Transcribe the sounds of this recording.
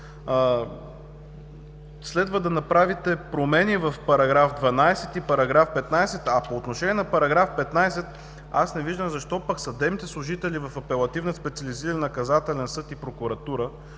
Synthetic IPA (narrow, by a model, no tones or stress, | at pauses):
slɛd̪vəd̪ɐnɐpɾavit̪ɛpɾomɛnivɐfpɐɾɐɡɾafd̪vɐnajsɛt̪ipɐɾɐɡɾafpɛt̪najsɛt̪ɐpoːt̪noʃɛnʲiɛnɐpɐɾɐɡɾafpɛt̪najsɛt̪ | asnɛviʒd̪əmzɐʃt̪ɔpɐksɐd̪ɛmit̪ɛslˠʊʒit̪ɛlivɐfɐpɛlˠɐt̪ivnəspɛt̪siɐliziɾənːɐkɐzat̪ɛlɛnsɤt̪ipɾokʊɾɐt̪uɾə